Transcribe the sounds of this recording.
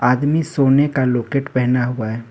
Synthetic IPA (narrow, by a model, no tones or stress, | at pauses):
aːd̪misoːnekaloːkeːʈpɛɦnaɦuaɦɛː